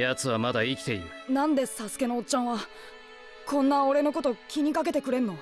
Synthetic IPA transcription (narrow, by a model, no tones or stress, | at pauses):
jat͡sɨβamad̪aikʲi̥t̪e̞iɯnãnd̪e̞sasɨ̥ke̞no̞ːt͡ɕːãɰ̃βa | kʰõ̞nːao̞ɾe̞no̞ko̞t̪o̞kʲiɲ̟ikak̬e̞t̪e̞kɯ̟ɾe̞nːo̞